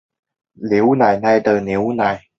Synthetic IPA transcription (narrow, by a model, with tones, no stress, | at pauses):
li˨˦wna˨˩jna˧jt̪əː˨˩ni˨˦wna˨˩j